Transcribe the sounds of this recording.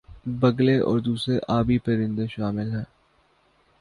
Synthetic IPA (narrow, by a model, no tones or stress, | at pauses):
bɐɡleʔɔ̰ːɾd̪uːsɾeʔaːbipɐɾɪ̃nd̪eʃaːmɪlɦɛ̃ː